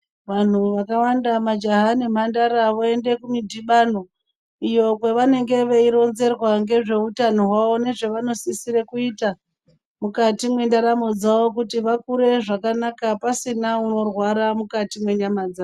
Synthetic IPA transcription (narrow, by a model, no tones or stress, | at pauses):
ʋan̤uʋakawandamad͡ʒaɦanem̤andaɾaʋoe̞nde̞kumidʱiɓano̞ | ijo̞kweʋane̞ŋɡe̞ʋe̞iɾo̞nze̞rwaŋɡe̞ʐe̞utano̞ɦwao̞ne̞ʐe̞ʋano̞sisiɾekuita | mukatimwe̞ndaɾamod͡zaʋo̞kutiʋakuɾe̞ʐakanakapasinauno̞rwaɾamukatimwe̞ɲamad͡za